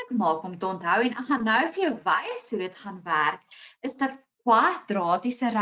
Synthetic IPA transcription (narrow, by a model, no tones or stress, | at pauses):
əkmɑːkɔmtəɔntɦœwɛnəχɐnːœwfəjəwvɐjətudətχɐnværkəsdɐtkwɐdrɑːtisəɾ